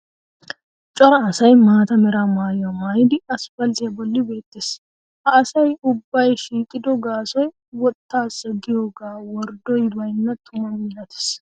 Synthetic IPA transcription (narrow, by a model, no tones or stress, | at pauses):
t͡ʃʼɔɾɐːsɐjmaːt̪ɐmɛɾamaːjɔmaːjɪd̪ɪɐsfɐlt̪eɐbɔlːɪbe̞ːt̪ːes | hɐɐsɐjʊbːɐjʃiːkʼɪd̪ɔɡaːsɔj | wɔt̪ːaːsɛɡɪjoːɡaːwɔɾd̪ɔjbɐjnːɐt̪ʰʊmɐmɪlɐt̪ɪ̥s